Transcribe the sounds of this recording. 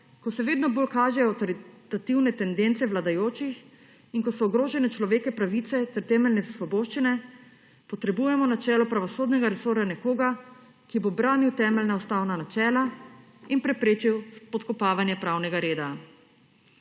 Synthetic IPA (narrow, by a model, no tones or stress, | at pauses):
kɔsɛʋeːd̪nɔbolkaːʒɛɔwt̪ɔɾit̪at̪iwnɛt̪ɛnd̪ent̪sɛʋlad̪ajoːt͡ʃix | inkɔsɔːɡɾoːʒɛnɛt͡ʃlɔʋeːkɛpɾaʋit̪sɛt̪ɛɾt̪ɛːmɛlnɛsʋɔboːʃt͡ʃinɛ | pɔt̪ɾɛbujɛmɔnat͡ʃɛːlɔpɾaʋɔsoːd̪nɛɡaɾɛsoːɾjanɛkoːɡa | kibobɾaːniwt̪ɛːmɛlnaɔst̪aːwnanat͡ʃɛːla | inpɾɛpɾeːt͡ʃiwspɔt̪kɔpaːʋanjɛpɾawnɛɡaɾeːd̪a